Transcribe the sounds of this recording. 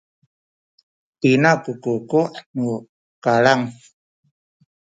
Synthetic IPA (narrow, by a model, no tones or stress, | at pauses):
t̪inakukukuʔnu | kalaŋ